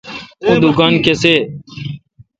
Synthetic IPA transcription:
ud̪uɡaːnkeseː

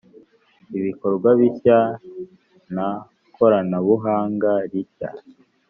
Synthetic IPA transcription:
iβiko̞ɾɡwaβiça | na | kʰo̞ɾanaβuɦaːŋɡaɾica̰

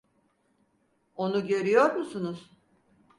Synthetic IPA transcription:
o̞nuɟeɾijo̞ɾmusunuz̥

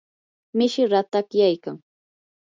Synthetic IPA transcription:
mɪʃɪɾat̪akjajkaŋ

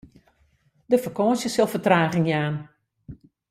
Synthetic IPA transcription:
dəfəkɔːnsjəsɪlˠfətraːɣɪŋjaːn

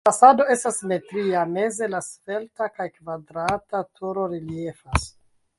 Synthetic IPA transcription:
fasado̞e̞stasme̞tɾiame̞ze̞lasfe̞ltakajkvadɾatatʰuɾo̞ɾilie̞fas

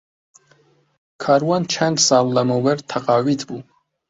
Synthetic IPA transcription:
kʰaɾwant͡ʃʰɛnt̪salːamɔwɛɾt̪ʰaqʼawit̪ʰbu

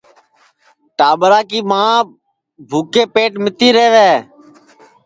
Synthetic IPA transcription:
ʈaːɓɾaːkiːmãː | bʱuːkeːpeːʈmɪt̪iːɾeːʋeː

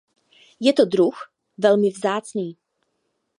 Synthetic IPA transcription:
jɛt̪od̪ɾux | vɛlmɪvzaːt͡sniː

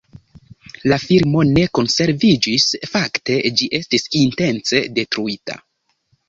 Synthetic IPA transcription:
lafiɾmo̞ne̞ko̞nse̞ɾvid͡ʒisfakte̞d͡ʒiʔe̞stisinte̞nt͡se̞de̞tɾuita̰

